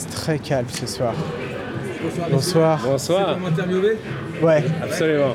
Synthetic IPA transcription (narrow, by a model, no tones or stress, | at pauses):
t̪χɛkʲʰalmsəswaːʁ | bɔ̃swaːʁbɔ̃swaːʁɛ̃t̪ɛʁvjuve | wɛapsɔlymɑ̃